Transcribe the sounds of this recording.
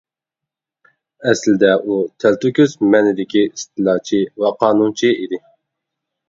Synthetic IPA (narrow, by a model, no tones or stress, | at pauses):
ɛslɪd̪ɛʔut̪ʰælt̪ukʲyzmɛnɪd̪ɪkʲʰiist̪ʰɨlˠɑːt͡ʃʰiwɛqʰɑːnunt͡ʃʰiid̪ɪ